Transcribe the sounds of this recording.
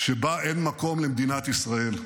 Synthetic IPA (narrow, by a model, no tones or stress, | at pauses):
ʃe̞baʔe̞nmako̞mlemed̪inat̪isʁae̞l